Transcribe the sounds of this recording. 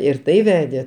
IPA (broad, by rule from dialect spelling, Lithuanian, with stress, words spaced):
ɪr ˈtɐɪ ˈʋʲæːdʲeː